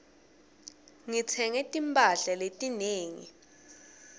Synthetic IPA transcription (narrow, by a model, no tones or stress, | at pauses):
ŋit͡sʰɛŋɛtʼimpʼaɬaletʼineːŋḭ